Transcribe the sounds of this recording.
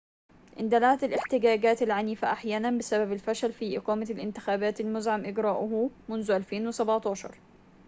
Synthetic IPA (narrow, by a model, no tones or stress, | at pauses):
ʔɪnd̪alaːt̪alʔɪħt̪ɪɡaːɡaːt̪alʕaniːfaʔaħjaːnanbɪsababalfaʃalfiʔɪqɑːmalʔɪ̰nt̪ɪ̥xaːbaːt̪almʊzʕamʔɪɡɾaːʔʊɦumʊnzʊʔalfeːnwɪsabʕt̪ˤɑːʃɑ̰ɾˤ